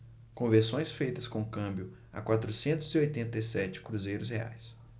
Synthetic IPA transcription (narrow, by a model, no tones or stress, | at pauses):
kõveɾsõj̃sfejt̪ɐskõkɐ̃mbjʊ | a̰kwat̪ɾʊsẽnt̪ʊziojt̪ẽnt̪ejsɛt͡ʃɪ̥kɾuzejɾʊs̬hea̰js